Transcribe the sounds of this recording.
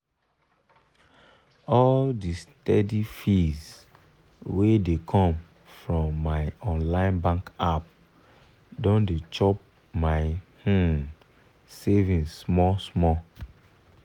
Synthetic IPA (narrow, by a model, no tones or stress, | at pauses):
ɔldistɛdifiz | wedekʰɔ̃m | fɹɔ̃mːaɪɔ̃nlãɪ̃nbãŋkap̚ | dɔ̃ndet͡ʃɔp̚ | maɪhon | sevĩnsmɔsmɔ